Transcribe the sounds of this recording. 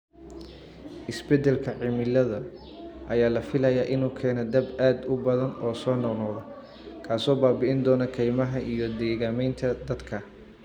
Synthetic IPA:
ʔɪsbɛd̪ɛlkʰɐʕɪmɪlɐðɐ | ʔɐjaːlɐfɪlɐjaːʔɪnuːkʰɛːnɐd̪ɐbaːd̪ʊbɐðɐnɔːsɔːnɔqnɔːðɐ | kʰaːsɔːbaːbɪʔɪnd̪ɔːnɐkʰɛjmɐɦɐʔijɔd̪ɛːɣaːmɛjnt̪ʰɐd̪ɐd̪kʰɐ

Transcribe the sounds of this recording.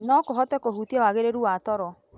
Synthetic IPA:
nɔkoɦɔtɛkohutiɛwaɣeɾeɾuwatɔɾɔ

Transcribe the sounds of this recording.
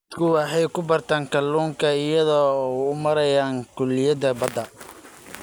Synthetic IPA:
t̪kʰʊwɑħɛjkʰʊbɐrt̪ʰaːŋkʰɐlːuːŋkʰɐɪjɐðɔːʊmɐɾɐjaːŋkʰʊlːɪjɐd̪ɐbɐd̪ɐ

